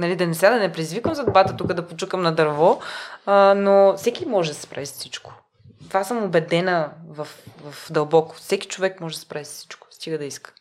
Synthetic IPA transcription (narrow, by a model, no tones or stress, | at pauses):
nɐlid̪ɐnɛsad̪ɐnɛpɾɛd̪izvikəmzɐd̪obɾat̪ət̪ukəd̪ɐpot͡ʃukəmnɐd̪ɐɾvɔ | nofsɛkʲimɔʒɛd̪ɐsɛ̥spɾʔa̰vissit͡ʃko̥ | t̪vasəmobɛd̪ɛnəvɐfvɐfd̪ɐlˠbɔkʊ̥fsɛki̥t͡ʃovɛkmɔʒɛd̪ɐspɾavissi̥t͡ʃkʊ̥st̪iɡəd̪ɐiskə̥